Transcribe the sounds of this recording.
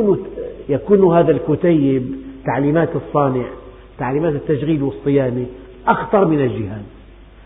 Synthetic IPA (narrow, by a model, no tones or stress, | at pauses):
njakuːnhaːðalkʊt̪ajːɪbt̪aʕliːmaːt̪ɨsˤːɑːnɪʕ | t̪aʕliːmaːt̪ɪt̪ːaʃɣiːlwɨsˤːɨjaːni | ʔaxt̪ɑɾˤmɪnald͡ʒɪhaːn